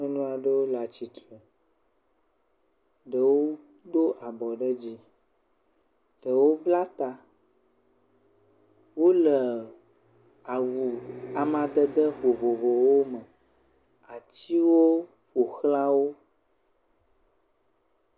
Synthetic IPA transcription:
ẽ˦nũ˦a˨ɖə˦wo˦la˨t͡ɕi˨t̪ɾə˨ | ɖə˨wo˦ | d̪o˦ʔa˨bɔ˨ɖə˦d͡ʑi˦ | ɖ̥ə˨wo˦bla˦t̪a˨ | wo˦lə˨ | a˨wu˨a˨mã˨d̪ə˦d̪ə˦ɸo˨vo˨vo˨wo˦mə˨ | a˨t͡ɕi˦wo˦ | ɸo˨xla˦wo˦

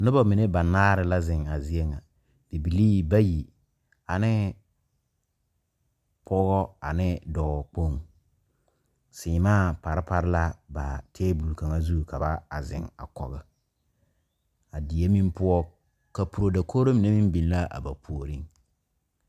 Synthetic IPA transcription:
nʊ˦ba˦mɪ˨ne˦ba˨naː˦ɾɪ˦la˦zɪ˨ŋa˨zi˦e˦ŋa˨ | d̥ɪ˨bi˨liː˦ba˦ji˨ | a˨nɪ˦ | pʰɔ˦ɣɔ˦a˨nɪ˦dɔ˨ɣɔ˨k͡po˦˨ŋ | sɪː˨˦maː˦˨pa˨ɾɪ˦pa˨ɾɪ˦la˦ba˨tʰeː˦bu˨lu˨ka˨ŋa˦zu˦˨ka˨ba˦a˨zɪ̰˨ŋa̰˨kɔ̰˨ɣɪ˨ | a˨di˨e˦mĩ˦mpʊ˦ɔ˦ | ka˨pu˨ɾo˨da˨kʰo˦ɾo˦mɪ˨ne˦mi˦m˦bi˨n˦la˦ʔa̰˨ba˨pʰu˨o˨ɾi˦ŋ

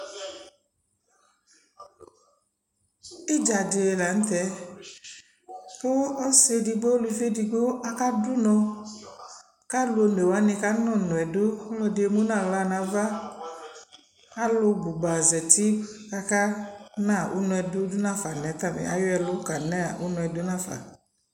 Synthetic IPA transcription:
e˦d͡ʒa˨de˨e˨la˨n̩˦t̪ɛ˦ | ko˦ɔ˦se˦di˨ɡ͡bo˦lu˨˧fe˦di˨ɡo˦ʔa˦ka˦dʊ˦nɔ̃˧ | ka˦lo˦n˨ɛ˨wa˦nɪ̃˧ka˦nɔ̃˦˨nɔ̃˨ɛ˨dʊ˦lɔ˦dɪ˨e˨mo˦nã˦˨la˦˨nã˨va˦ | a˦lʊ˧ɡ͡bu˨ɡ͡ba˨zɛ˨t̪i˦ka˨ka˦nã˦˨ʔʊ˦nɔ̃˧ɛ˨dʊ˦dʊ˦nã˦fa˨nɛ̃˨˦t̪a˦mɛ̰˨a̰˨˦jɔ˦ɛ˨lʊ˦ka˨nɛ˦˨ʊ˦nɔ̃˨ɛ˨dʊ˦nã˦˨fa̰˨

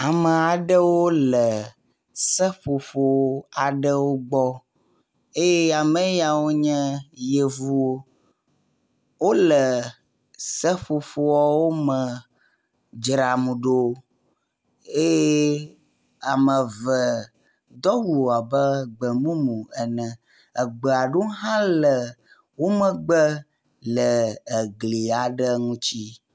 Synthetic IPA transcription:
a˨mə̃˨a˨ɖə˦wo˦lɛ˨ | sɛ˦ɸo˨fo˨˦a˨ɖɛ˦wo˦ɡ͡bɔ˦ | e˦je˦a˨mɛ̃˦ja˨wo˦ɲɛ̃˦je˨vu˦wo˦ | wo˦lɛ˨ | sɛ˦ɸo˨fo˦wɔ˦wo˦mɛ̃˨ | d͡ʒɾa˨mũ˨ɖo˦ | e˦je˦ | a˨mə̃˨və˨ | d̪ɔ˦wu˨a˨bə˦ɡ͡bə˨mũ˦mũ˨ɛ˨nɛ̃˨ | ə˨ɡ͡bə˨a˨ɖo˦ɦã˦lə˨ | wo˦mə̃˦˨ɡ͡bə˦ | ləː˨ɡli˨a˨ɖə˦ŋũ˦t͡ɕi˦

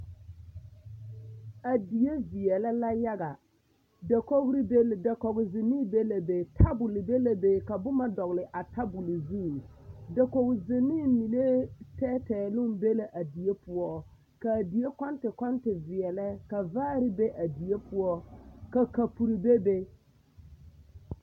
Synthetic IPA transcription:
a˨di˨je˦vɪ˨ɛ˨lɛ˦la˦ja˦ɡa˨ | da˨ko˦ɡɾi˦be˦lda˨kɔ˨ɣʊ˨zɪ˨nːi˦be˦la˨be˨tʰa˦bʊ˨lɪ˨be˦la˦be˦ka˨bʊ˦ma˦dɔ˨ɣlɪ˨ʔa˨tʰa˦bʊ˨lɪ˨zu˦˨ | da˨ko˨ɡzɪ˨nːi˦mi˨le˦tɛː˦tɛː˨lʊ˦mbe˦la˨ʔa˨di˨e˦pʊ˨˦ɔ˦ | ka˨di˨e˦kɔ˦ntɪ˨kɔ˦ntɪ˨vɪ˨ɛ˨lɛ˦ka˨vaː˦ɾɪ˦be˦ʔa˨di˨je˦pʊ˦wɔ˦ka˨ka˨pu˨ɾi˨be˦be˦

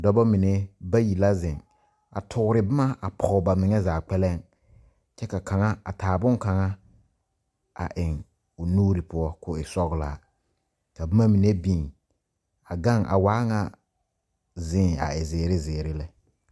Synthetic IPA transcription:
dɔ˦bɔ˦mi˨ne˦ba˦ji˨la˦zɪ̃˨ŋ | a̰˨tʰʊ˨ɡʊ˦ɾɪ˨bɪ˦ma˦a˨pʰɔ˨ʊ˨ba˨mɪ˨ŋɛ˦zaː˨k͡pɛ˦lɛ˦ŋ | t͡ʃɛ˦ka˨ka˨ŋa˦a̰˨tʰaː˨bʊ˦ŋka˨ŋa˦ | a̰˨ʔɪ˨ŋ | ʊ˨nuː˦ɾi˨pʊ˦ɔ˦kʊ˦ɪ˨sɔ˦ɣla̰˨ | ka˨bɪ˦ma˦mi˨ne˦bĩ˦˨ŋ | a˨ɡa˦ŋʔa̰˨waː˦ŋa˦ | zɪ̃ː˦˨a̰˨ɪ˨zɪː˨ɾɪ˦zɪː˨ɾɪ˦lɪ˦

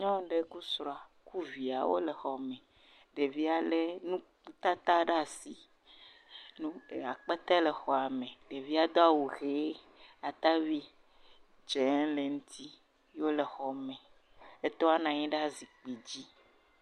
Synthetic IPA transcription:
ɲɔ̃˦ɖe˦ku˦sɾɔ˦˨a˨ku˦vi˨a˨wo̰˦le˨xɔ˨mẽ˨ | ɖe˨vi˦a˨le˦nũ˦ | t̪a˦t̪a˦ɖa˦˨si˨ | nũ˦e˨a˨k͡pe˦t̪ɛ˦le˨xɔ˨a˨mẽ˨ɖe˨vi˦a˦d̪ɔ˦a˨wo˨xe˨˦ | a˨t̪a˦vi˦ | d͡ʒɛ˨˦le˨ŋũ˦t̪ʰi˦ | o˦le˨xɔ˨mɛ̃˨ | e˦t̪ɔ˦a˦nã˨ɲĩ˦ɖa˦zi˨k͡pe˨d͡ʑi˦

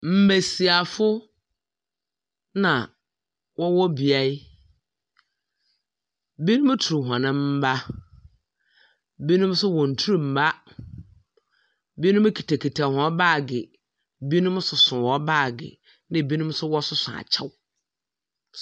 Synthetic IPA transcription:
m̩˦˨bæ˨si˨a˨fʊ˦ | nã˨ | wʔɔ˦wɔ˦bi˨a˦i˦ | bi˦nʊ̃˦m˦tʰu˨u˨ɦɔ̃˨nɪ̃˦m̩˦ba˦ | bi˦nʊ̃˦m˦sʊ˦wɔ̃˨n̩˨tʰu˦u˨m̩˨ba˦ | bi˦nũ˦m˦kʰi˨tʰa˨kʰi˨tʰa˨hɔ̃˨˦baː˦˨ɡɪ̰˨ | bi˦nũ˦m˦sʊ˨sʊ̃˨wɔ˨˦baː˦˨ɡɪ̰˨ | nɪ̃˦˨bi˦nʊ̃˦m˦sʊ˦wɔ˦sʊ˦sʊ˨a̰˨t͡ɕʰɛ˦w

